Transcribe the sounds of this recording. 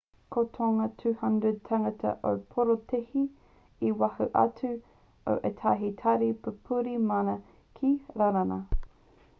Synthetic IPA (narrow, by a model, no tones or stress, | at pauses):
kʰotʰoŋɐtʰʉːhɐndɹəd̚tʰaŋɐtʰɐ̰ʔo̰wpʰoɾotʰehi | iwahuʔɐ̰t͡sʉ | o̰wʔetʰaɦitʰɐɾipəpʰuɾimɐnɐ | kʰiɾaɾanɐ̰